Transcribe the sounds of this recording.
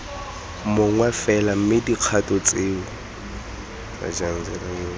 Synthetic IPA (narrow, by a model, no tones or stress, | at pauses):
moŋwɛfɛlam̩mɪdiq͡χʰatʼɔt͡sʼeːʊ | ma̰d͡ʒan̩d͡zɛɾaŋe